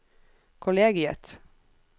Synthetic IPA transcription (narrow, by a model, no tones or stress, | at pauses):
kʰʊleːɡɪə̰t̪